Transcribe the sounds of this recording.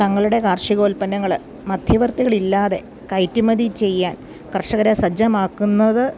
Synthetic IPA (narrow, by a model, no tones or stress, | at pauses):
t̪ɐŋːɐɭuɽe̞kaːrʂiɣo̞ːlpɐnɐŋːɐɭ | mɐd̪ʱjɐʋɐrt̪iɣɐɭilːaːðe̞̰ | kɐjtːumɐd̪it͡ɕe̞jːaːn | kɐrʂɐɣɐɾesɐd͡ʑɐmaːkːunːɐðɨ